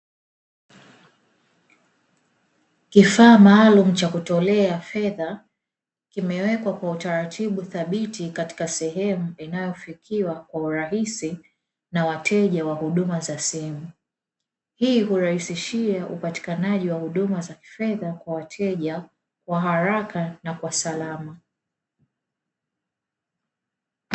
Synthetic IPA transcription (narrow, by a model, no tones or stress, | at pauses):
kifaːmaːlum̩t͡ʃakutɔlɛafɛða | kimɛwɛkwakwautaɾatʰiɓuθaɓitikati̥kasɛɦɛmuinajɔfikʰiwakwauɾaɦisi | nawatʰɛʄawahuɗumazasimu | hiːɦuɾahisiʃiaʔupati̥kanaʄiwahuɗumazaki̥fɛðakwawatʰɛʄa | kwaɦaɾakanakwasalama